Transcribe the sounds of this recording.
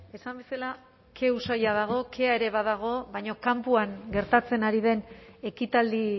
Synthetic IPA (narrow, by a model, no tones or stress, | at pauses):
e̞sambe̞sala | kʰe̞usajað̞aɣ̞o̞kʰe̞ae̞ɾe̞βaðaɣ̞o̞βajɲo̞kampuaŋɡe̞ɾt̪at͡se̞naɾið̞e̞ne̞kit̪ald̪i